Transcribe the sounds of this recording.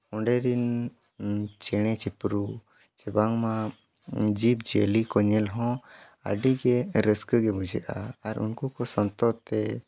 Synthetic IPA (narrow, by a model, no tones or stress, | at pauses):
ɔ̃ɳɖɛɾin | t͡ʃɛɽ̃ɛt͡ʃɛpɾu | t͡ʃɛbaŋma | d͡ʒip̚d͡ʒḛlikɔɲɛlɦɔ̃ | a̰ɖiɡɛɾəskəɡɛbud͡ʒɛʔaaɾṵnkukɔsɔnt̪ɔt̪ɛ